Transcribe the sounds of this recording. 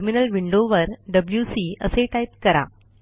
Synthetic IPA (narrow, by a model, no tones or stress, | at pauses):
ɾminəlʋiɳɖoʋəɾɖəbljusiːəseʈajt̪̚kəɾa̰